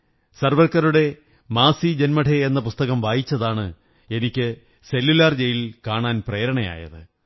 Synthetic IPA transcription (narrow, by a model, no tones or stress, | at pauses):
sɐrʋɐrkːɐɾuɽe̞ | maːsid͡ʑenmɐʈʰeenːɐpust̪ɐɣɐmʋaːjit͡ɕːɐðaːɳɨ | e̞nikʲːɨ | se̞lːulaːrd͡ʑe̞jilkaːɳaːnpreːɾɐɳɐja̰ːjɐ̰ðɨ